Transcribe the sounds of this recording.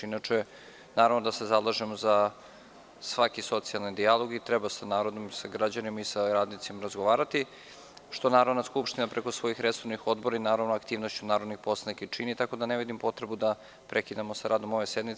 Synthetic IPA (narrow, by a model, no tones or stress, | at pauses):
inat͡ʃe | naːɾavnod̪ase̞zalˠaʒemoza | sʋakiso̞t̪sialˠnid̪ialˠo̞ɡit̪ɾebasanaːɾo̞d̪o̞msaɡɾad͡ʑanimaisaɾaːd̪nit̪simaɾazɡoʋaːɾat̪i | ʃt̪o̞naːɾovnaskupʃt̪inapɾe̞ko̞sʋo̞ixɾesovnixo̞d̪boɾainaːɾavnoakt̪iːʋno̞st͡ɕunaːɾod̪nixposlˠanikat͡ʃinit̪ako̞d̪aneʋid̪impo̞t̪ɾebud̪a | pɾʔekid̪amosaɾaːd̪o̞mo̞ʋe̞sed̪nit̪